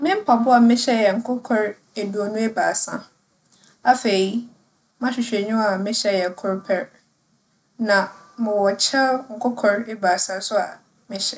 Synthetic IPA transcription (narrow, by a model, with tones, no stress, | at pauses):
mɪ̃˦m̩˦pʰa˨bʊ˦a˨mɪ̃˦ɕɛ˦jɛ˨ŋ̩˨kʰʊ˦kʰɔ˨ɾ | e˨du˨ɔ˨nʊ̃˦e˦baː˨sã˦ | a˦fe˨i˦ | mã˦ɕᶣɪ˨ɕᶣe˨ɲᶣʊ̃˦a˨mɪ̃˦ɕɛ˦jɛ˨kʰʊ˦ɾpʰɛ˦ɾ | nã˨mɪ̃˨wɔ˨t͡ɕʰɛ˦ŋ̩˨kʰɔ˦kʰɔ˨ɾe˦baː˨sã˦sʊ˦a̰˨ | mɪ̃˦ɕɛ˦